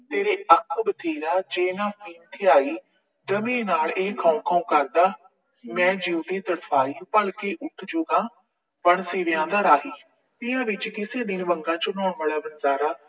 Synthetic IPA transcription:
t̪eːɾeːʔəkʰːbət̪ʰeːɾaːd͡ʒeːnãːfʰiːnt̪ʰiːaːiː | d̪əmẽːnaːleːkʰãːũkʰaũːkəɾd̪aː | mɛ̃ːd͡ʒiːut̪iːt̪əɽpʰaːiːpəlkeːʔʊʈʰd͡ʒʊɡãː | pəɳseːɾjãːd̪aːɾaːɦiː | p̪ɪãːʋɪt͡ʃkɪseːd̪ɪnbəŋɡãːt͡ʃənɔːɳʋaːlaːbənzaːɾaː

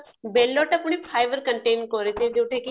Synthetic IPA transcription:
beːlːoːʈɐpɳ̃ipʰaːjʋəɾkəɳʈeːnkoːɾet̪ẽd͡ʒoːʈʰeːki

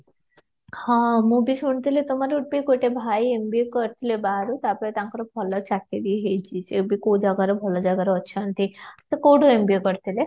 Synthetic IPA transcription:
hɔ̃mũbisuɳt̪ilet̪umaɾeuʈ̚biɡoʈebʱajembiukɔɾt̪ʰilebaɾut̪apɔet̪aŋkɔɾɔbʱɔlɔt͡ʃaked̪ieɦejt͡ʃʰisebikod͡ʒaɡaɾebʱɔlɔd͡ʒaɡaɾeɔt͡ʃʰɔant̪ʰisekoɽuembiukɔɾt̪ʰile

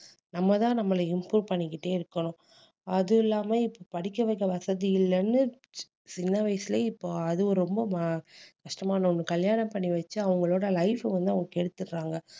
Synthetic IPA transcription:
nɐmːɐt̪ãːnɐmːɐlɐɪmpɾuːɾpɐɳːɪkːɪʈːeːɪɾɯkːɐɳʊ̃ | ɐðɯɪlːaːmeːɪpːoːpɐɽɪkːɐʋɐɪkːɐʋɐsɐðijɪlːɐnːɯ | sɪnːɐʋɐɪsɪleːɪpːoːɐðɯɔɾɯɾɔmbɐmɐkɐʂʈɐmaːnɐɔnːɯkɐljaːnɐmpɐɳːiʋɐt͡ʃːɯɐʋɐŋɡɐɭoːɽɐlɐɪfʋɐnd̪ɯɐʋɐŋɡɐkːɛɽɯt̪ːɯɾɾaːŋɡɐ

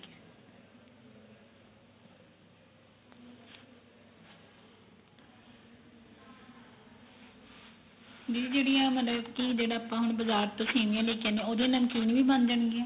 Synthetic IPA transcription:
did͡ʒeːɽijãːmət̪ləbkiːd͡ʒeːɽaːpãːɦʊɳbəzaːɾt̪õːseːnijãːleːkjãnd̪eãoːd̪ẽanəmkiːnʋiːbə̃nd̪d͡ʒəɳɡeãː

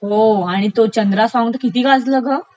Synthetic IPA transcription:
ɦoaɽ̃it̪ot͡ɕənd̪ɾasãŋɡt̪əkit̪iːɡad͡zləɡə

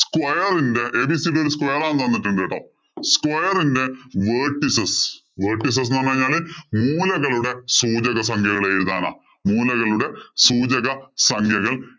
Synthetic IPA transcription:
skwɐjɐrinde̞ʔeːbisiɽeo̞ɾuskwɐjɐraːnːɨt̪ɐnːiʈːuɳɖeʈːo̰ | skwɐjɐrinde̞ʋeːʈːisɐs | ʋeːʈːis̬ɐs̬nɐːnːɐːɐɲːaːɭɨmuːlɐɣɐɭuɽe̞suːd͡ʑɐɣɐsɐŋkʰjɐɣɐɭeːjiɾuða̰ːna̰ː | muːlɐɣɐɭuɽe̞suːd͡ʑɐɣɐsɐŋkʰjɐɣɐɭ

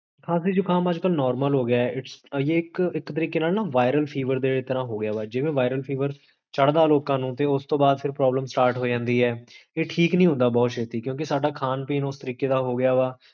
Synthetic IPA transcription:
kʰaːsiːd͡ʒʊːkʰaːməd͡ʒkəlnɔːɾməlɦoːɡɪjaːɛːʔɪʈsjeːɪkɪkt̪əɾiːkeːnaːlnaːʋaːɪɾəlpʰiːʋəɾd̪eːet̪əɾãːɦoːɡɪjaːʋaːd͡ʒɪʋẽːʋaːɪɾəlpʰiːʋəɾ | t͡ʃəɽd̪aːloːkãːnũːt̪eːʊst̪õːbaːd̪̚pʰɪɾpɾɔːbləmsʈaːɾʈɦoːd͡ʒãːnd̪iːɛːeːʈʰiːknĩːɦʊ̃nd̪aːbɔːt̪ʃeːt̪iːkjõːk̬ɪsaːɖaːkʰaːnpiːnʊst̪əɾiːkeːd̪aːɦoːɡɪjaːʋaː

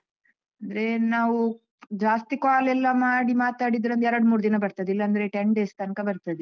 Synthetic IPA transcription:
ɐnd̪ɐɾe̞naːʋu | d͡ʒaːst̪ikaːlɛlːɐmaːɽimaːt̪aːɽid̪ɾɐnd̪ɐɛɾɐɽmuːɾd̪inɐbɐɾt̪ɐd̪ilːɐːnd̪ɐɾe̞ʈeɳɖeːst̪ɐnkɐbɐɾt̪ɐd̪e

